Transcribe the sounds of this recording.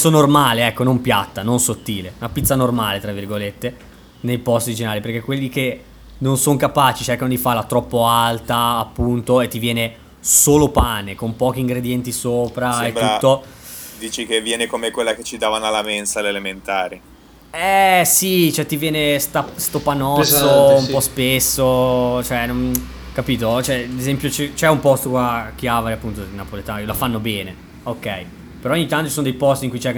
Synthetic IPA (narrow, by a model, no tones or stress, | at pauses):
sonormaːleɛkːonompjat̪ːanonsot̪ːiːleunapit̪sanormaːlet̪ɾavːirɡolet̪ːe | nejpɔst̪d̪id͡ʒinaːliperk̟ekːwelːik̟e | nonsoŋkapaːt͡ʃit͡ʃerkanod̪ifarlat̪ɾɔpːoalt̪aːpːunt̪oet̪ːivjɛːne | soːlopaːnekompɔːk̟iːŋɡɾed̪jɛnt̪isoːpɾaet̪ːuːo | d̪iːt͡ʃikevːjɛːnekomekwelːaket͡ʃːid̪aːvanalamensalelement̪aːɾi | ɛsit͡ʃoɛt̪ːivjɛːnest̪ast̪opanɔsːoumpɔspesːot͡ʃoɛnon | kapiːt̪ot͡ʃoɛad̪ezɛmpjot͡ʃɛt͡ʃɛumpɔst̪okwak̟ːjavaɾeapːunt̪oinapolet̪aːnoiolafanːobɛːne | okːɛj | peɾɔoɲːit̪ːant̪ot͡ʃisonod̪ejpɔst̪iŋkujt͡ʃɛ